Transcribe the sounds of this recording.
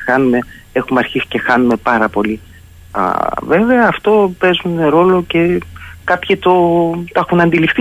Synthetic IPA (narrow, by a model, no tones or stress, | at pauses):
xɐnume̞ | exumeɐɾçisi̥ce̞xɐnume̞pɐɾɐpo̞li | ɐ̰ve̞ve̞ɐːft̪o̞pe̞zunɾo̞lo̞ce̞kɐpçit̪ot̪ɐxunɐnd̪ilift̪i